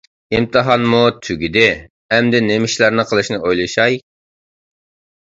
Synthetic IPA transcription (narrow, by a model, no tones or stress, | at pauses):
ɪmt̪ʰɨɦɑnmut̪ʰyɡʲid̪ɪ | ɛmd̪ɪnemɪʃlˠɑɾnɨqʰəlˠɨʃnɨʔojlˠɨʃɑj